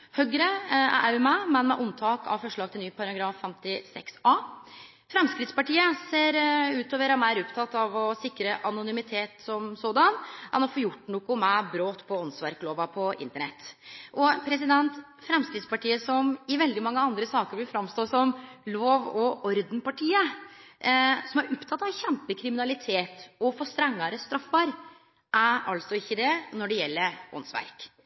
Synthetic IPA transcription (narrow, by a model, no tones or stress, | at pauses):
hœɡɾəæ̰ʔæʉmæmɛnmɛʔʊnt̪ʰɑːkɑ̰ʋfɔʂɭɑːɡt̪ʰɪlnyːpʰɑɾɑɡɾɑːfːɛmt̪ɪsɛ̰ksɑː | fɾɛmskɾɪt̪spɑʈiːəseːɾʉːt̪oːʋəɾɑmæɾʊpt̪ʰɑt̪ːɑʋɔsɪkːɾəʔɑnʊnʏmɪt̪ʰeːt̪sɔmsoːd̪ɑnɛnɔfoːjʊʈːnuːkʊmɛbɾoːt̪pʰɔɔnsʋɑɾkloːʋɑpʰɔɪ̰nt̪əɳɛ̰t̪ːʔɔpʰɾɛs̬ɪd̪ɛnt̪ | fɾɛmsk̪ɾɪːd̪spɑʈiːəsɔmɪʋɛld̪ɪmɑŋːəɑnd̪ɾəsɑːkəɾblɪfɾɑmst̪oːsɔmloːʋɔʔɔɾd̪npɑʈʰiːə | sɔmæɾʊpt̪ʰɑt̪ːɑʋçɛmpəkʰɾɪmɪnɑlɪt̪ʰeːt̪ɔfɔst̪ɾɛŋːəɾəst̪ɾɑfːəɾ | ʔæɾɑlsɔɪçːəd̪ɛnɔɖɛjɛlːəɾɔ̰nsʋæ̰ɾk